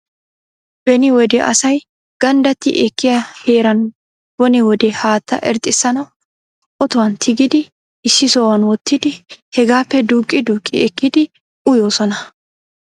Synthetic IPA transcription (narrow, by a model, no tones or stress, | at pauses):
b̥ɛnɪwɔd̪ɛʔɐ̰sɐj | ɡ̥ɐnd̪ɐt̪ːɪ̰ʔɛkːɪjaheːɾɐn | b̥ɔnɪwɔd̪ɛhaːt̪ːɐ̰ʔɛ̰ɾt̪ʼːɪsːɐnɐw | ʔɔt̪ʊwɐnt̪ʰɪɡɪd̪ɪ | ʔɪsːɪsoːwɐnwɔt̪ːɪd̪ɪhɛɡaːpːɛd̪uːkʼːɪd̪uːkʼːɪɛkːɪd̪ɪ | ʔʊjo̞ːsɔnɐ